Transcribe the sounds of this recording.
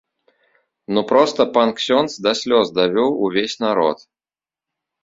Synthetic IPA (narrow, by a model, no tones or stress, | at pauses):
nupɾɔst̪ɐpanksʲɔnt̪sd̪ɐsʲlʲɔzd̪ɐvʲɔwuvʲesʲnaɾɔ̰t̪